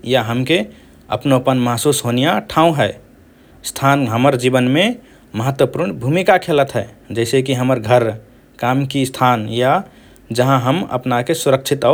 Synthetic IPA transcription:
jaɦəmke | ə̰pnopənmaɦsusɦonijaʈʰãũɦɛɪ | st̪ʰanɦəməɾd͡ʒibənme | məɦət̪wəpuɾɳbʱumikakʰelət̪ɦɛɪd͡ʒɛɪsekiɦəməɾɡʱəɾ | kamkist̪ʰanja | d͡ʒəɦãɦəmə̰pnakesuɾək̚t͡ʃʰit̪a

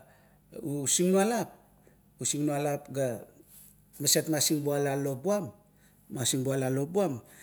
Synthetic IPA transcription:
usiŋnualap̚ | usiŋnualapɡa | masetmasiŋbualalo̞buamː | asiŋbualalo̞buam

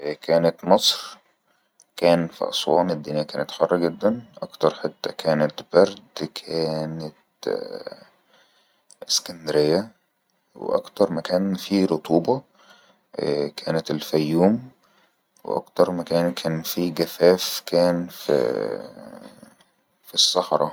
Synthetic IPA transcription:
kʰæːnæt̪mɑsˤɾ | kæːnfḭʔɑ̰sˤwɑːmæd̪ːiːnejːækæːnet̪ħɑrˤːɑɡed̪ːænʔɑkt̪ɑɾˤħet̪ːækʰæːnet̪bæɾd̪kʰæːnet̪ | skænd̪ɾejːæ | wḛʔɑ̰kt̪ɑɾˤmækæːnfiɾot̪ˤʰuːbɑ | kʰæːnæt̪elfæjːuːm | w̰ʔɑ̰kt̪ɑɾˤmækæːnkʰæːnfiɡæfæːfkæːnfḭ | fisːɑħɾˤɑ̰

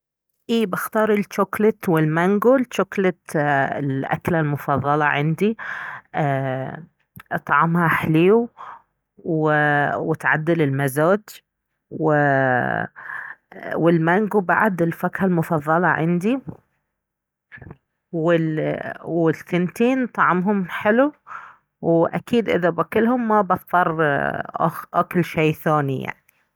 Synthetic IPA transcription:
ʔiːbaxt̪ɑːɾˤɪlt͡ʃoklɪt̪wɪlmaŋɡult͡ʃoklɪt̪ɪlʔa̰klalmʊfɑðˤːɑlɑʕɪ̰nd̪i | t̪ˤʕɑmhaħliːu | wwɪt̪ʕad̪ːɪlɪlmazoːd͡ʒ | wɪ | wɪlmaŋɡubaʕad̪ɪlfakhalmʊfɑðˤːɑlɑʕɪ̰nd̪i | wɪ | wɪlθɪnt̪iːnt̪ˤɑʕmɦʊmħɪlu | wʔakiːd̪ʔɪ̰ðabakɪlhʊmːabɑθˤt̪ˤːɑrˤʔa̰ʔakʊlʃeːθaːnija̰ʕni

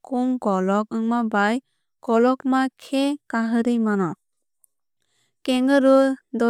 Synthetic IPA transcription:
kumɡɔlɔk̚ɯŋmabaj | ɡ̥ɔlɔkmakʰekaɦɯɾɯjmanɔ | keŋɡɯɾɯdɔ

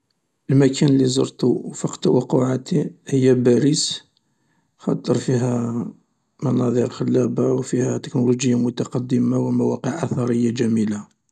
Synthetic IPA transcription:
ʔəlmækʰænəlːizˤɑ̰ɾt̪ufɑqt̪wɑquʕat̪ihəjːæbæɾis | xɑt̪ˤːəɾˤfiɦæ | mɑnɑd̪ˤiɾxəlːæbawfihæt̪əknuluʒəjːamʊt̪ɑqɑd̪ːəmawmæwɑqəʕʔɑθɑɾəjːaʒæmila

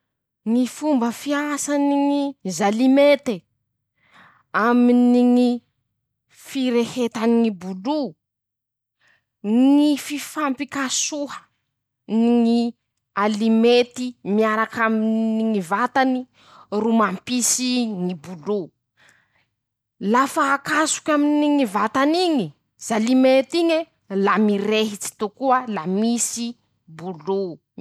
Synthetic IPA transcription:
ŋifumbəfiasaniŋizalimet̪e | aminiŋi | fiɾehet̪aniŋibulu | ŋififampikasuɦə̥ | niŋi | alimet̪imiaɾakaminiŋivat̪ani | rumampisiŋibulu | lafaːkasu̥kʲaminiŋivat̪aniɲi | z̥alimet̪iɲe | lamiɾeɦit͡si̥t̪ukuəlamisi | bulu

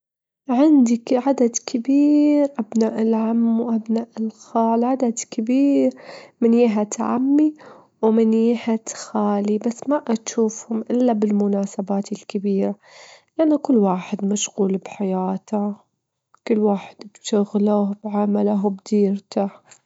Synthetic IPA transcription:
ʕɪnd̪ikʕad̪ad̪kɪbiːɾʔabnaːʔɪlʕamːwʔabnaːʔɪlxaːlʕad̪ad̪kɪbiːɾmɪnjiːɦat̪ʕa̰mːi | wmɪnjiːhat̪xaːlibasːmaʔaʃuːfhʊmʔɪlːabɪlmʊnaːsabaːt̪ɪlkɪbiːɾa | lʔanːakʊlːwaːħɪd̪maʃɣuːlbħajaːt̪a | kʊlːwaːħɪ̥d̪bʃʊɣlabʕamalaɦwbd̪iːɾt̪a

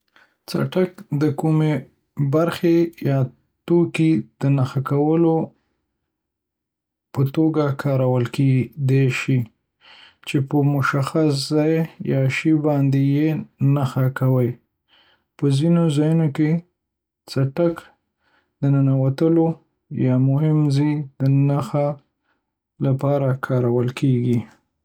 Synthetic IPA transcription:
t͡sa̰ʈakd̪əkume | baɾxejɑ | t̪okid̪̥ənaxakawəlo | pət̪oɡakʰɑɾawəlked̪aʃi | t͡ʃepəmʊʃaxas̬zɑjjɑʃibɑnd̪ejenaxakawəj | pəzinozɑjunoke | t͡saʈak | d̪ənənawat̪əlo | jɑmʊɦɪmzijd̪ənaxa | lapɑɾakʰɑɾawəlkʰeɡi

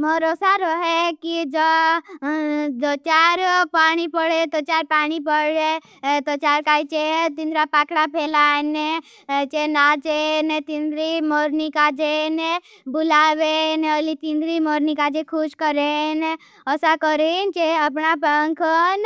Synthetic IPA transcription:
mɔɾɔsaɾɔɦekid͡ʒə | d͡ʒɔt͡ʃaːɾpaːɽ̃ipəɽet̪ɔt͡ʃaːɾpaːñipəɽe | t̪ɔt͡ʃaːɾkaːit͡ʃet̪ind̪ɾapaːkɽapʰeːlane | t͡ʃenat͡ʃenet̪ind̪ɾimoɾnikad͡ʒene | bʊlaːbenɔlit̪ind̪ɾimoːɾnikad͡ʒekʰuʃkəɾen | ɔsakɔɾent͡ʃeəp̬napəŋkʰən

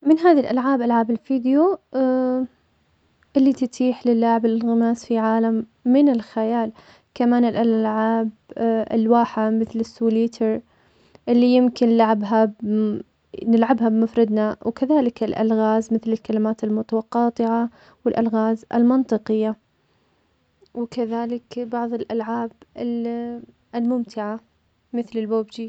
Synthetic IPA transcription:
mɪnɦaːðilʔalʕaːbʔalʕaːbɪlfiːd̪ɪjo | ʔɪlːit̪ɪt̪ʰiːħlɪlːaʕɪblɪlɣɪmaːsfiʕaːlamːɪnɪlxajaːl | kamaːnɪlʔalʕaːbɪ̰lwaːħamɪθlɪsːuːliːt̪ʰɑɾ | ʔɪlːijɪmkɪnlaʕabɦab | nɪlʕabɦabmafɾˤɪd̪nawkaðaːlɪkɪlʔa̰lɣaːzmɪθlɪlkalɪmaːt̪ɪlmʊt̪awɑqːɑːt̪ˤɪʕa | wɪlʔalɣaːzʔɪ̰lmɑnt̪ˤɨqɪjːa | wkaðaːlɪkbɑʕðˤɨlʔalʕaːb | ɪlmʊmt̪ʰɪʕa | mɪθlɪlboːbd͡ʒi

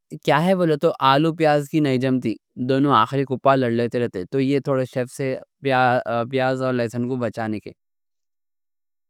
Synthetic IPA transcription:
kjaːɦɛʋoːlet̪oʔaːlupjaːzkinɐid͡ʒɐmt̪id̪oːnõaːxɪɾikʊpːalɐɽleːt̪eɾɛɦt̪et̪ojet̪ʰoːɽeʃefsepaːp̬jaːzɔːɾlɛːsənkobɐt͡ʃaːnekḛ

